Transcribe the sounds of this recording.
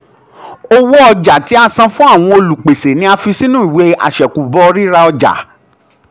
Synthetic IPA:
o˦wo˦ɔ˧d͡ʒa˨ti˨˦a˧sã˧fũ˦a˦˨w̃ɔ̃˧o˧lu˨k͡pe˨se˨nĩ˧˦a˧fi˧si˦nũ˦i˨we˨˦a̰˨ʃɛ˨ku˨bɔ˦ɔ˧ɾi˦ɾa˧ɔ˧d͡ʒa̰˨

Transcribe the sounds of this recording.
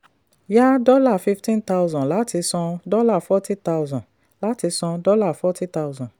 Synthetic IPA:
ja˦dɔ˦la˦˨fi˦ftĩ˦nta˦ʊzɔ̃˨la˨˦ti˧sɔ̃˧dɔ˦la˦˨fɔ˦ti˦ta˧wzɔ̃˨ | la˨˦ti˧sɔ̃˧dɔ˦la˦˨fɔ˦ti˦ta˧ʊzɔ̃˨

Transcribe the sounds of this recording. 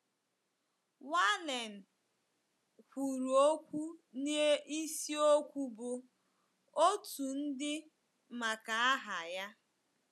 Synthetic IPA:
wa˦ne˨n̩˨ | kʷu˨ɾu˨o˦kʷu˦ni˦e˦ʔi˦si˦o˦kʷu˦bʊ˦ | o˦tu˨n̩˦dɪ˦ | ma˨ka˨a˦ɦa˨ja˦

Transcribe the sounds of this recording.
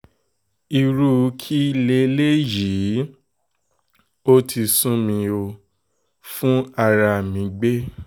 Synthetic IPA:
i˧ɾu˦kʰi˦le˧˦le˦ji˨˦ | o˦tʰi˧sũ˦mĩ˧o˧ | fũ˦a˧ɾa˧˨mĩ˨˦ɡ͡be˦

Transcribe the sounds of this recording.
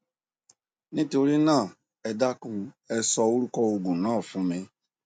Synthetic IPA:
nĩ˦to˧ɾi˦nãː˦˨ | ɛ˧da˦kũ˧ | ɛ˧sɔ˧o˦ɾu˦kɔ˧o˧ɡũ˨nãː˦˨fũ˨˦mĩ˧

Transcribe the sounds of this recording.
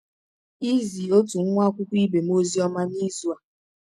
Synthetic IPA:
i˦zi˨o˦tu˨ŋ̩˦ŋʷa˦kʷu˦kʷi˦be˨m˦o˦zi˦ɔ˦ma˦ni˦zu˦a˨

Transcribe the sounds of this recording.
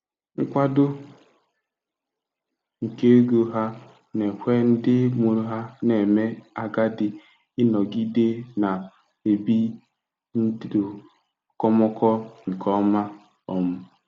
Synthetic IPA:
ŋ̩˦kʷa˦dʊ˦ | ŋ̩˨ke˦e˦ɡo˨ɦa˦ | ne˨kʷe˦n̩˦dɪ˦mo˨ɾo˦ɦa˦ne˨me˦a˦ɡa˦dɪ˦ | ɪ˦nɔ˨ɡi˦de˦na˨ | e˨bi˦ | n̩˦ddo˨ | kɔ˦mɔ˦kɔ˦ŋ̩˨kʰɔ˦ma˦ | ɔ˨mʊ˦

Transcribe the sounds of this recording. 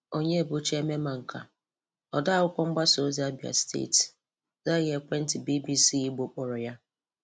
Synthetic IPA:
o˦ɲe˦e˨bu˦t͡ʃe˦me˦ma˨ŋ̩˨ka̰˨ | ɔ˨da˦˨ʊ˦kʷɔ˦ŋ͡m̩˦ɡ͡ba˦so˦zi˦a˦bi˨a̰˨stʰḛ˦˨t | za˦ɣe˦kʷe˦n̩˦tɪ˨bi˦bi˦si˦i˦ɡ͡bo˨˦k͡pɔ˨ɾɔ˨ja˦

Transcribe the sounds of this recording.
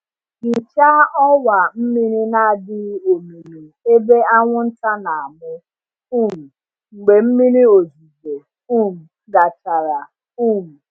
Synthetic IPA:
ni˨t͡ʃa˦ɔ˦wa˨m̩˦mi˦ɾi˦na˦a˨dɪ˦o˨mi˨ni˨ | e˦be˦a˦ŋʷʊ˦n̩˦ta˦na˨a˨mʊ˦ | u˦˨m̩˨ | ŋ͡m̩˨ɡ͡be˨m̩˦mi˦ɾi˦o˨zu˨ze˨ | u˦˨m̩˨ | ɡa˨t͡ʃa˨ɾa˨ | u˦˨m̩˨

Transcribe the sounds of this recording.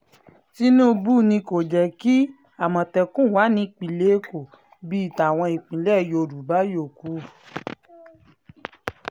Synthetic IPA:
ti˦nũ˦˧bu˦˨nĩ˧ko˨d͡ʒɛ˨ki˦ | a˨mɔ̃˨tɛ˧kũ˦˨wa˨˦nĩ˧k͡pĩ˨le˨˦ko˨ | bi˦˨ta˨w̃ɔ̃˧i˨k͡pĩ˨˦lɛ˦˨jo˧˨ɾu˨ba˦jo˦˨ku˨˦

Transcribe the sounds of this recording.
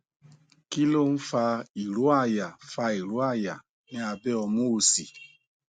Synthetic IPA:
ki˦lo˦n̩˦fa˧i˨ɾu˦a˦˨ja˨fa˧i˨ɾu˨˦a˦˨ja˨ | ni˦a˨bɛ˦ɔ˧mo˦o˧si˨

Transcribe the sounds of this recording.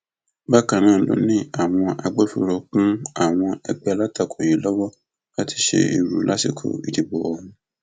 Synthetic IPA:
ba˦kã˨nã˦˨˦lo̰˨˦nĩ˦a˨w̃ɔ̃˧ʔa˧ɡ͡bɛ˦fṵ˧ɾo˧kũ˦a˦˨w̃ɔ̃˧ɛ˧ɡ͡bɛ˧la˦ta˧˨kʰo˨ji˨˦lɔ˦wɔ˦ | ka˦ti̥˧ʃḛ˧ḭ˨ɾu˨˦lʔa˦si˦˨kʰo̰˨i˨ti˨bɔ˨wɔ˨ũ˧

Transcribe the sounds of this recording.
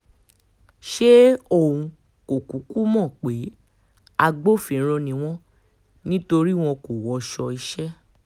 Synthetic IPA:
ʃe˦o˦˨ũ˧ | ko˨ku˨˦ku˦mɔ̃˦˨k͡pe˨˦ | a˧ɡ͡bo˦fĩ˨˦ɾ̃ɔ̃˧nĩ˧w̃ɔ̃˦ | nĩ˦to˧ɾi˦w̃ɔ̃˧ko˨wɔ˧ʃɔ˧i˧ʃɛ˦

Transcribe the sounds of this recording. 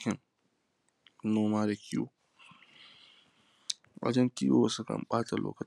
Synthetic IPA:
kʲɪ˨n | noː˦maː˦da˨kʲʰi˦wo̰˦ | ʔa̰˨d͡ʒɐ˦ntiː˦joː˦wɐ˨sʊ˦kɐ̰˨mɓaː˦ta˨lʔo̰ː˦kɐ˨

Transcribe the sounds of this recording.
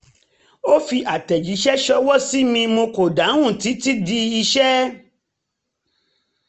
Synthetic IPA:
o˦fi˧ʔa˨tɛ˨d͡ʒi˨˦ʃɛ˦ʃɔ˧˦wɔ˦si˦mĩ˧mo˧ko˨da˨˦wũ˦˨ti˨˦ti˦di˧i˧ʃɛ˦

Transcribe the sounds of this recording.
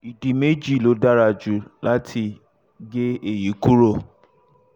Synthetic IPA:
i˨di˨me˦d͡ʒi˦˨lo˨˦da˦ɾa˧˨d͡ʒu˨la˦tʰi˧ | ɡe˦e˦˨ji˨˦ku˦ɾo˦˨

